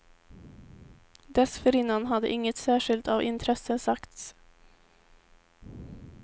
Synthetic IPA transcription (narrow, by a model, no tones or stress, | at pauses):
d̪ɛsfəɾiːnɑnhɑd̪ə̰ʔɪŋət̪sæːʃɪlt̪ɑːʋʔɪnt̪ʰɾɛsəsɑkt̪s